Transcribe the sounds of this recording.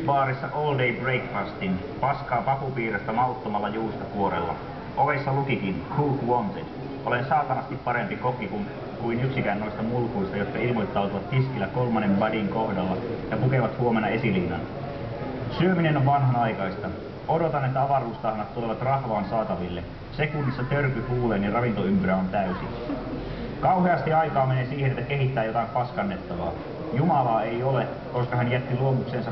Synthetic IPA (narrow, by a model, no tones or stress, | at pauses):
ʋɑːɾisːɑʔoːldejbre̞jkfɑst̪in | pɑskɑːpɑkupiːɾest̪æmɑut̪ːomɑlːɑjuːst̪ɑkuo̞ɾḛlːɑ̰ | ʔo̞ʋesːɑlukikinkʰuːkwont̪ed | ʔo̞le̞nsɑːt̪ɑnɑst̪ipːɑɾe̞mpiko̞kikun | kujnyksikæːnno̞ist̪ɑmulkujst̪ɑjo̞t̪kɑilmo̞jt̪ːɑwt̪uʋɑt̪hiskilːæko̞lmɑnːemʋɑdiŋko̞hdɑlːɑjɑpuke̞ʋɑt̪huo̞me̞nɑe̞siliːnːɑ̰n | syøminenoʋʋɑnɦɑnɑjkɑist̪ɑ | o̞do̞t̪ɑnet̪ːæɑʋɑruːst̪ɑːhɑnːɑt̪t̪ːuleʋɑt̪rɑhʋɑːnsɑːt̪ɑʋilːe | se̞kunːisːɑt̪ørkyhuːleːnːirɑʋint̪o̞ympyɾæont̪æysḭn | kɑwɦeɑst̪iɑjkɑːmeneːsiːhenet̪ːæke̞ɦit̪ːæːjo̞t̪ɑimpɑskɑnːet̪ːɑʋɑ̰ː | jumɑlɑːe̞jo̞le | ko̞skɑɦænjæt̪ːiluomukse̞ːnsɑ